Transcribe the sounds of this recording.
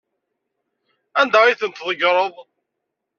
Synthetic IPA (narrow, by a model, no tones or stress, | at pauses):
ænd̪æiθənt̪ðˤəɡɾˤəðˤ